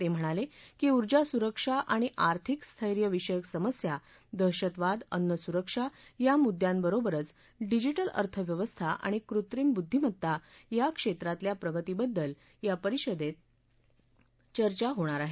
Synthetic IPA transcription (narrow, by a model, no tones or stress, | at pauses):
t̪em̤əɽ̃alekiːuɾd͡ʑasuɾəkʂaʔaɽ̃iʔaɾt̪ʰikst̪ʰəjɾjəʋiʂəjəksəməsja | d̪əɕət̪ʋad̪ənːəsuɾəkʂajamud̪ʱjãmbəɾobəɾət͡s | ɖid͡ʑiʈələ̰ɾt̪ʰəʋjəʋəst̪ʰaʔa̰ɽ̃ikɾut̪ɾimbud̪ʱːim̤ət̪ːajakʂet̪ɾat̪ljapɾəɡət̪ibəd̪ːəl | japəɾiɕəd̪et̪̚ | t͡ɕəɾt͡ɕaɦoɽ̃aɾaɦe